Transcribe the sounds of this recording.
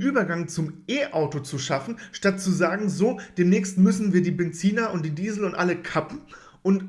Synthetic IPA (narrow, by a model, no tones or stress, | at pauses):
ʔyːbɐɡaŋt͡sʊmʔeːʔaʊtot͡suʃafn̩ʃtat̚t͡suzaːɡŋ̩zoːd̥eːmnɛːçstmʏsn̩viːɐdiːbɛnt͡siːnɐʔʊnt̚d̥iːdiːzl̩ʊntʔaləkʰapm̩ | ʔʊnt